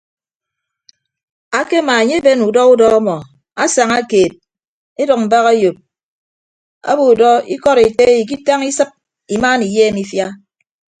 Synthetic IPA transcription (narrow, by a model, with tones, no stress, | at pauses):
a˦ke˦ma˨e˨ɲe˦be˦nu˨dɔ˦u˦dɔ˦ɔ˦mɔ˨ | a˦sa˨ŋa˦keː˨t̚ | e˦dɔ˨k̚m̩˨ba˦ɣa˦jo˨p̚ | a̰˦bu˨u˨dɔ˦ḭ˦kɔ˦ɾe˨te˦i˨k̬i˦ta˦ŋi˦sɨ˦p̚ | i˨maː˦ni˨jeː˦mi˦fja˦